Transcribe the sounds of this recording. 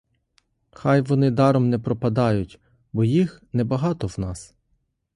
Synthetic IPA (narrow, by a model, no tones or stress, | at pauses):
xɑjʋɔnɪd̪ɑɾɔmnɛpɾɔpɐd̪ɑjʊtʲ | bɔjixnɛbɐɦɑt̪ɔwnɑs